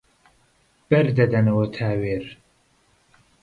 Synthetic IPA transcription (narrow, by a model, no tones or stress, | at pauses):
b̥ɐɾd̪ɐd̪ɐnɐwɐt̪ʰaːweɾ